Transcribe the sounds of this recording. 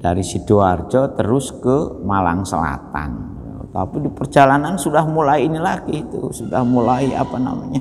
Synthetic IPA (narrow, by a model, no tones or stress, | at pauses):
daɾisituard͡ʒɔt̪əɾʊskəmala̰ŋsə̰la̰t̪a̰nit̪ut̪apidipərd͡ʒalanansudahmulaiːnilaɡit̪usudahmulaia̰pana̰maɲa